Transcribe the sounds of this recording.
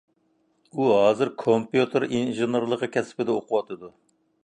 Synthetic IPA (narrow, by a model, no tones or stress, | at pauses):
uɦɑːzɨɾkʰompjut̪ʰɨɾinʒɨnɨɾlˠəqʰəkʲʰɛsɪ̥pɪd̪ɛoqʰʊwɑt̪ʰɨd̪u